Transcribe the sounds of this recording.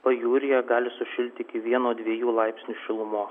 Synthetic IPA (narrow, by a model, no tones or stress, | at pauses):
pɐjuːɾʲɪjɛɡɑːlʲɪsʊʃʲɪlʲt̪ʲɪkʲɪʋʲiɛnoːd̪ʲʋʲiɛjuːlˠɐɪpʲsʲnʲuːʃʲɪlˠʊmoːs